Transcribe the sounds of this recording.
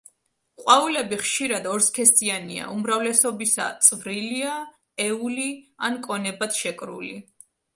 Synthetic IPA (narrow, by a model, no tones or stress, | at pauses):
qʼwaulɛbiχʃiɾad̪ɔɾskʰɛsiania̰ʔumɾavlɛsɔbisa̰t̪sʼvɾilia | ɛuliankʼɔnɛbat̪ʃɛkʼɾṵli